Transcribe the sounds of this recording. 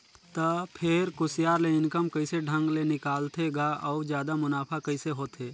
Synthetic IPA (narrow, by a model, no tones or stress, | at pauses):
t̪əpʰeɾkʊsjaːɾleɪnkəmkəɪseɖʱə̃ŋɡlenɪkaːlt̪ʰeɡaʔɔʊd͡ʒjaːd̪amʊnaːpʰakəɪseɦoːt̪eː